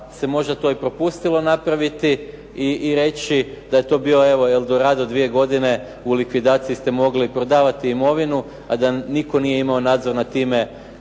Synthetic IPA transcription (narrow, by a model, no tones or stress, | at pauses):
se̞mo̞ʒd̪at̪o̞ːipɾo̞pust̪ilˠo̞napɾaʋit̪i | iːɾe̞t͡ɕid̪aje̞t̪o̞ːbiːo̞e̞ʋo̞eld̪o̞ɾaːd̪od̪ʋije̞ɡo̞d̪ine̞ | ulikʋid̪aːt̪sijist̪e̞mo̞ɡlipɾo̞d̪aːʋat̪iːmo̞ʋinu | ad̪aniko̞nije̞imao̞naːd̪zo̞ɾnat̪iːme̞